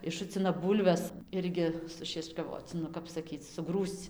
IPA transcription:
ɪʃˈʃʊt͡sʲɪnɐ ˈbuːlʲʋʲɛs ˈɪrʲɡʲɪ sʊʃʲiɛt͡ʃkɐˈʋoːt͡s nʊ ˈkɐp sɐˈkʲiːt͡s sʊˈɡruːst͡s

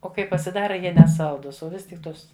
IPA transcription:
oː ˈkɐɪ pɐsʲɪˈdɑːrɐ ˈjiɛ nʲɛˈsɐlˠdʊs oː ˈʋʲɪs tʲɪk ˈtoːs

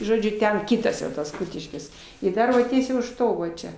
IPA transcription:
ʒoːˈd͡ʒʲʊ ˈtʲɛn ˈkʲiːtɐs jɛʊ tɐs ˈkʊtʲɪʃʲkʲɪs ɪr ˈdɐr ʋɐ ˈtʲiɛsʲɛɪ ʊʃ ˈtoː ʋɐ ˈt͡ʃʲɛ

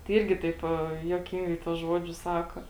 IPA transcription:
tɐɪ ˈɪrʲɡʲɪ ˈtɐɪp juɔˈkʲɪŋɡɐɪ tuɔs ˈʒuɔd͡ʒʲʊs ˈsɑːkoː

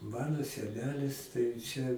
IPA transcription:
ˈmɑːnoː sʲɛˈnʲæːlʲɪs tɐɪ ˈt͡ʃʲɛ

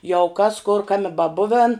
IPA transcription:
jɛʊ kɐs kʊr ˈkɑːmʲɪ bɐˈbʊʋʲɛn

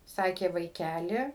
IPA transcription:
ˈsɑːkʲeː ʋɐɪˈkʲælʲɪ

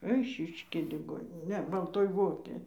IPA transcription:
ˈɛɪʃʲɪʃʲkʲeːj lʲɪˈɡoːnʲɪnʲeː ˈnʲɛ bɐlˠˈtoːj ˈʋoːkʲeːj

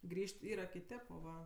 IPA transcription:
ˈɡrʲiːʃʲtʲ ˈiːrɐ kʲɪˈtʲeːp oː ˈʋɐ

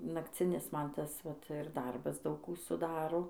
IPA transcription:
nɐkˈt͡sʲɪnʲɪs ˈmɐn ˈtɐs ʋɐt ɪr ˈdɐrbɐs ˈdɐʊk ˈkuː sʊˈdɑːroː

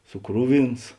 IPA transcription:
sʊˈkrʊˌʋʲɪns

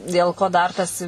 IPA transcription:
dʲeːlˠ ˈkoː ˈdɐr tɐs

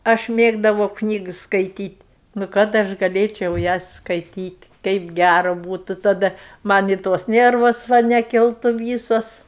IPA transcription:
ˈɐʃ ˈmʲeːɡdɐʋɐʊ ˈknʲiːks skɐɪˈtʲiːtʲ nʊ ˈkɐt ɐʃ ɡɐˈlʲeːt͡ʃʲɛʊ ˈjɛs skɐɪˈtʲiːtʲ ˈtʲɛɪp ˈɡʲærʊ ˈbuːtʊ tɐˈdɐ ˈmɐnʲ ɪ toːs ˈnʲɛrʋoːs ˈʋɐ nʲɛˈkʲɪlˠtʊ ˈʋʲiːsoːs

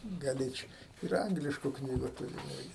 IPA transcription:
ɡɐˈlʲeːt͡ʃʲ ɪr ˈɐŋɡlʲɪʃkʊ ˈknʲiːɡʊ tʊˈrʲʊ ˈɪrʲɡʲɪ

